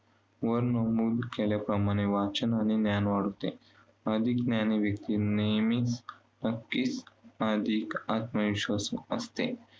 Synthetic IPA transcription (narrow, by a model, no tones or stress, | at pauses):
ʋəɾnəmud̪keljapɾəmaɽ̃eʋat͡ʃənañinjanʋaɽut̪e | əd̪ʱiknjaniʋjək̚t̪iːnejmis | nəkːisad̪ʱikat̪məiʃʋəsuəst̪e